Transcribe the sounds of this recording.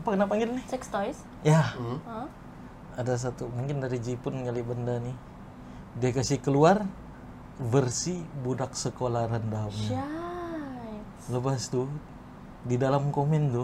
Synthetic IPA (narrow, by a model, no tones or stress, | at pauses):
apakənaʔpaŋɡɪnnɪsɛkst̪ɔjs | ja | adas̬at̪umuŋkɪndaɾid͡ʒipʊnŋalibəndani | diakasɪhkəluar | vərsibudak̚səkolarəndam | ləbast̪u | didalamkomɛnt̪ʊ